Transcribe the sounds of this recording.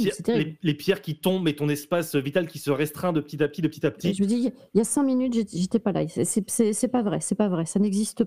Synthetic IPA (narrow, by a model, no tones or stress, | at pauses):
ɛsɛt̪eʁilelepjɛʁkʲit̪ɔ̃bmɛt̪ɔ̃nɛspasøvit̪alkʲisəʁɛst̪χɛ̃d̪əpə̥t̪it̪apət̪id̪əpə̥t̪i̥t̪apə̥t̪iʒəməd̪ia | iljasɛ̃minyt̪ʒeʒet̪ɛpala̰sɛsɛsɛsɛpavʁɛsɛpavʁɛsanɛɡzist̪ə